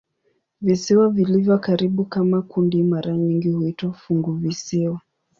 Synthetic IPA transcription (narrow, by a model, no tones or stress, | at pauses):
visiwavilivjɔkaɾiɓukamakundimaɾaɲiŋɡihuitwafuŋɡuvisiwa